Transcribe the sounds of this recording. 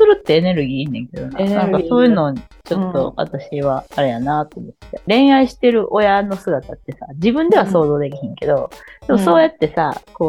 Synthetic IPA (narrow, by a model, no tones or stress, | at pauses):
sɨɾɯ̟t̪ːe̞ːne̞ɾɯ̟ɡʲiːinːẽ̞ŋke̞d̪o̰nãnãŋkaso̞ːjɯ̟ːnoːɲit͡ɕo̞t̪ːo̞βa̰t̪aɕiβaaɾe̞janaːt̪o̞ːmot̪ːe̞ɾẽ̞ɰ̃aiɕi̥t̪e̞ɾɯ̟ʔo̞jano̞sɨɡat̪at̪ːe̞sa̰d͡ʑibɯ̟̃nd̪e̞βaso̞ːzo̞ːd̪e̞k̬ʲiɦẽŋke̞d̪o̞d̪̥e̞mo̞so̞ːjat̪ːe̞sa̰ko̞ː